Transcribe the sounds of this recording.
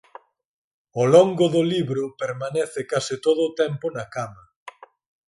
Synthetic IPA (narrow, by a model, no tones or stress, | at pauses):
oloŋɡʊðʊliβɾʊpeɾmanɛθɪkasɪt̪oðʊːt̪ɛmpʊnakamɐ